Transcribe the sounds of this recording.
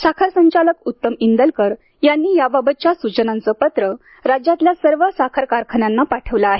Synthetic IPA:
sakʰəɾsəɲt͡ɕaləkut̪ːəmind̪əlkəɾ | janːiːjababət̪̚t͡ɕjasut͡ɕənãnt͡səːpət̪ɾə | ɾad͡ʑjat̪ljasəɾʋəsakʰəɾkaɾkʰəɳjanːapaʈʰəʋləːɦe

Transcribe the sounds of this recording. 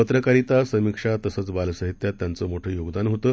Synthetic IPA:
ət̪ɾəkaɾit̪asəmikʂat̪əsəːt͡sbalsəɦit̪jat̪ːjant͡səmoʈʰəːjoɡd̪anɦot̪əː

